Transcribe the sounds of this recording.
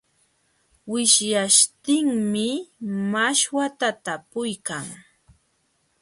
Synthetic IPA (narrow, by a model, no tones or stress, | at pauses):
wɪʃjaʃt̪ɪŋmɪmaʃwat̪at̪apʊjkaŋ